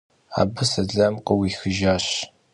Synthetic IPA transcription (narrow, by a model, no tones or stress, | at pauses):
a̰ːbɨsɐɮɐmqʼɔwiːxɨʒaːɕ